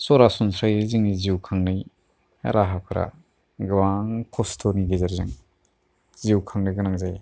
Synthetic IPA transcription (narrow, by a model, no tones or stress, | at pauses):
sɔɾasɔnsɾajiziŋniziwkʰaŋnɯj | a̰ɾaɦapʰɯɾa̰ | ɡawaŋkʰɔstʰɔɾniɡezaɾzɯŋ | ziwkʰaŋnɯjɡɯnaŋzaj